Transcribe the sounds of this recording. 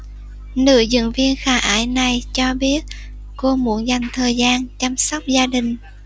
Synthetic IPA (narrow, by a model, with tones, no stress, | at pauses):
nɨ̰˧˨əzɨ̰˧˨ŋvi˧ənxaː˧˩ʔaː˧˩˦jna˨˩jt͡ɕɔ˧ɓi˦˥ət̚ | ko˧mu˧˥ənza˨˩jŋ̟t̪ʰəː˨˩jzaː˧nt͡ɕa˧msɔ˦˥wk͡p̚zaː˧ɗï˨˩ŋ̟